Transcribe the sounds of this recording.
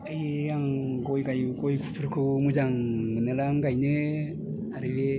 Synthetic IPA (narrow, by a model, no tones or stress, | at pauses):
ɯjɾaŋɡojɡajɡojkʰupʰɯɾkʰɯmuzaŋmɯnɯlaŋɡajnɯ | aɾɯbe